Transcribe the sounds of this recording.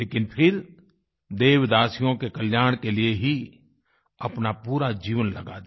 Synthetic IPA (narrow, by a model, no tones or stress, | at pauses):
eːkɪnpʰɪɾ | d̪eːʋd̪aːsijõkekəljaːɽ̃kelieɦi | ɐpnapuːɾad͡ʒiːʋənlɐɡaːd̪